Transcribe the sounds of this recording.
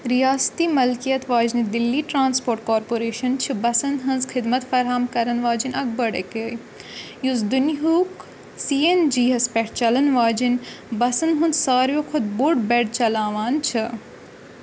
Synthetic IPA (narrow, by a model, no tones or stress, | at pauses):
ɾijaːst̪iːmɐlkijɐt̪ʋaːd͡ʒnid̪ilːiːʈɾaːnspoːɾʈkoːɾpoːɾeːʃɐnt͡ʃʰɨbɐsɐnd̪ɦɐnzkʰɪd̪mɐt̪fɐɾɦamkɐɾɐnʋaːd͡ʒinɐk̚bɐɽekej | juzd̪unɦuːk | siːend͡ʒiːɦɐspɛʈʰt͡ʃɐlɐnʋaːd͡ʒin | bɐsɐnɦund̪saːɾjoːkʰʊd̪̚buɖbɛɽt͡ʃɐlaːʋaːnt͡ʃʰi